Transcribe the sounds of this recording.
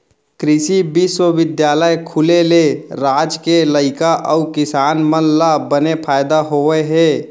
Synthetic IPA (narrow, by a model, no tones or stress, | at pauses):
kɾɪsibiswəbɪd̪jaːləjkʰuleleɾad͡ʒkeləɪkaʔəukɪsaːnmənlːabənepʰaːjd̪aɦoɛɦɛ